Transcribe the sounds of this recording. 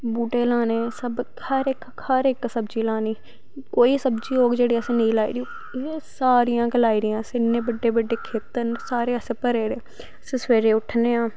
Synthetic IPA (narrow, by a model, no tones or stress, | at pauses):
buːʈeːlaːneːsəb | həɾɪk | həɾɪksəbd͡ʒiːlaːniː | koːiːsəbd͡ʒiːoːɡd͡ʒeːɽiːəsẽːnəĩːlaːiːɾio | esaːɾɪjãːɡəlaːiːɾɪjãːsɪnːẽːbəɖːeːbəɖːeːkʰeːt̪ənsaːɾeːəsẽːpəɾeːɾeː | sẽsʋeːɾeːʊʈʰneːãː